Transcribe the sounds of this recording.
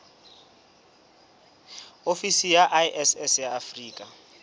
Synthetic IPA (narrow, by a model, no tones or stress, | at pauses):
ofisijaʔajʔɛsɛsjaːfriːkʼa